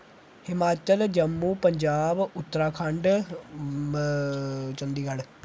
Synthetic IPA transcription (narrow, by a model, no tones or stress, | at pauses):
hɪmaːt͡ʃəld͡ʒəmːuːpəɲd͡ʒaːbʊt̪ːəɾaːkʰəɳɖ | t͡ʃənd̪iːɡəl